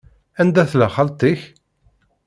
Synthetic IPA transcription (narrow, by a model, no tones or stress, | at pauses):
ænd̪æθləχəlt̪ˤiç